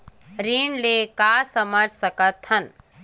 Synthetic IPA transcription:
ɾiːɳlekaːsəməɾsɐkət̪hɐn

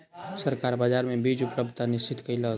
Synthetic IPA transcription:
səɾkaɾbad͡ʒaɾmebid͡ʒupləb̚d̪̚t̪anist͡ʃit̪kəjlə

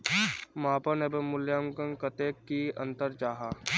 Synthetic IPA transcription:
mãːpənebemʊljaːmkɐŋkɐt̪eːkːiɐ̰̃nt̪əɾd͡ʒaːɦaː

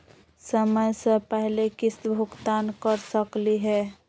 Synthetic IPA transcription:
səməjsə̃pəɦlekist̪bʱʊɡt̪ankəɾsəkliɦɛ

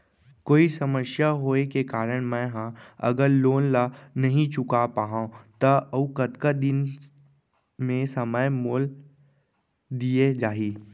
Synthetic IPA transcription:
koːisɐməsjaɦoːekekaːɾəɽ̃mɛ̃ɦãɐ̰ɡəɾloːnlanɐɦĩt͡ʃʊkapaːɦãt̪ɐɐukɐt̪kad̪ɪn | mẽsɐməjmoːl | d̪ied͡ʒaːɦiː

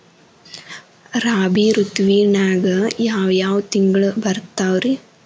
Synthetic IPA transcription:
ɾaːbiɾut̪ʋiːnaːɡɐjaːʋjaːʋɐt̪iŋɡɐɭubɐɾt̪aːʋɾi

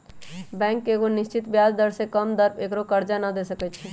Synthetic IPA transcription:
bɛ̃ːŋkːeɡonɪʃt͡ʃɪt̪bjaːzd̪əɾsekəmd̪əɾpeːkɾokəɾd͡ʒanad̪esəkɛt͡ʃʰi

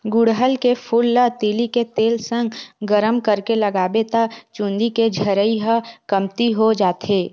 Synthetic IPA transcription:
ɡʊɽɦəlkepʰʊlːət̪iːliket̪eːlsə̃ŋɡɡəɾəmkəɾkeləɡaːbet̪at͡ʃʊ̃nd̪iked͡ʒʱəɾəiɦəkəmt̪iɦod͡ʒaːt̪ɦeː

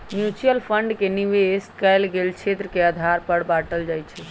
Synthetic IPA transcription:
mjut͡ʃijəlpʰəɳɖkeniʋeskɛjlɡelt͡ʃʰet̪ɾəkeəd̪ʱaɾpəɽbaʈəld͡ʒajt͡ʃʰɛ

